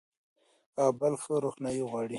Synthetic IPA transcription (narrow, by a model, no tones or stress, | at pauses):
ɑbalxəɾoxnɑjiɣwɑɽi